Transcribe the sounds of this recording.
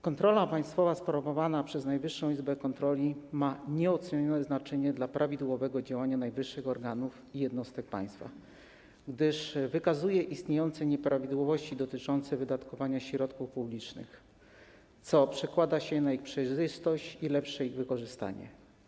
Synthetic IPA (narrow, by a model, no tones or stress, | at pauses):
kɔnt̪ɾɔlapaj̃st̪fɔvaspɾɔvɔvanapʂɛznajvɘʂːɔ̃w̃izbɛkɔnt̪ɾɔlʲimaɲɛɔt̪sɛɲɔnɛznat͡ʂɛɲɛd̪lapɾʔavʲid̪wɔvɛɡɔd͡ʑawaɲanajvɘʂːɘxɔɾɡanuf | ijɛd̪nɔst̪ɛk̚pa̰j̃st̪fa̰ | ɡd̪ɘʂvɘkazujɛʔist̪ɲejɔnt̪sɛɲɛpɾavʲid̪wɔvɔɕt͡ɕid̪ɔt̪ɘt͡ʂɔnt̪sɛvɘd̪at̪kɔvaɲaɕɾɔt̪kufpublʲit͡ʂnɘ̰x | t̪sɔpʂɛkwad̪aɕɛnaixpʂɛjʐɘst̪ɔɕt͡ɕilɛpʂɛiɣvɘkɔʐɘst̪a̰ɲɛ̰